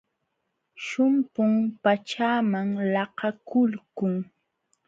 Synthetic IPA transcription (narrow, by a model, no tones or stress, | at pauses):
ʃʊmpʊŋpat͡ʃaːmaŋlɑhɑkʊlkʊŋ